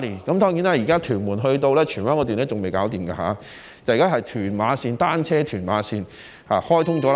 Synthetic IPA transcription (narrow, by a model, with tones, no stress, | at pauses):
liː˨˩kɐ˨˦mt̪ɔː˥ŋjiː˨˧˥naː˥jiː˨˩kaː˥t̪ʰyː˨˩nmuː˨˩nɦɵ˧ɥt̪̬o˧wlɛː˥t͡ʃʰyː˨˩nwaː˥ŋkɔː˧t̪yː˨nɛː˥t͡sʊ˨ŋme˨jkaː˨˥wt̪iː˨mka̰ː˧ɦaː˨˧˥ | t͡si˨kaː˥ɦɐ˨jt̪ʰyː˨˩nmaː˨˧siː˧nt̪aː˥nt͡ʃʰɛː˥t̪ʰyː˨˩nma̰ː˨˧˥siː˧n | haː˨˧hɔː˥jt̪ʰʊ˥ŋt͡ʃɔː˨˥l